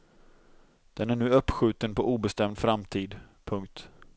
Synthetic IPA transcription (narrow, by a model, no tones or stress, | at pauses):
d̪̥ɛnæɳʉ̟ːœpːɧʉ̟ːt̪ənpʰɔʔuːbɛst̪ɛmd̪fɾamt̪ʰiːd̪pʰɵŋkt̪